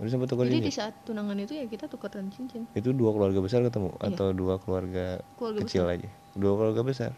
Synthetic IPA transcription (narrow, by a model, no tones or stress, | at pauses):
udis̬ampat̪ːokəd͡ʒaidisaat̪ːunaŋanit̪ujakit̪at̪ukət̪ɾənt͡ʃiɲt͡ʃɪnit̪uduakəluarɡabəs̬arkət̪əmṵa̰t̪awduakəluarɡakəluarɡkət͡ʃɪlad͡ʒa | duakəluarɡabəs̬a̰r